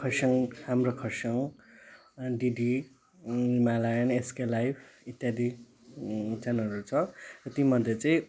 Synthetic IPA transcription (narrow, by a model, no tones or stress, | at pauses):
kʰʌsʌŋhamrokʰʌsʌŋ | ɖiɖi | nimalajʌneskelajpʰit̪jad̪i | t͡sanʌɾut͡sʰʌrʌt̪imʌd̪ʱjet͡sãĩ